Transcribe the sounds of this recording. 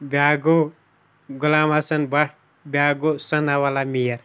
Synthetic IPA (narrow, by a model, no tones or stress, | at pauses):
baːɡo | ɡʊlaːmasɐnbɐʈʰ | bʲjaːɡosɐnawalamijɐɾ